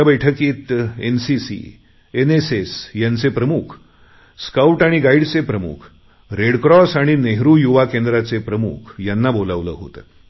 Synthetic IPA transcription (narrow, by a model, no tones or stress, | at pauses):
bəjʈʰəkiːt̪ensisḭ | enesesjant͡sepɾəmukʰ | skauʈaɽ̃iɡaiɽt͡sepɾəmṵkʰ | ɾeɽkɾɔsaɽ̃ineɦɾujuʋakend̪ɾat͡sepɾəmṵkʰjanːabolaʋlə̰ːɦo̰t̪ə̰